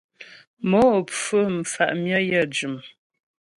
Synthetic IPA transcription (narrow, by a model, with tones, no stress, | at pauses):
mɔ˨˦˨p͡fə˦m̩˨fa̰˨ʔmjə˦jə˦˨d͡ʒʉ˨m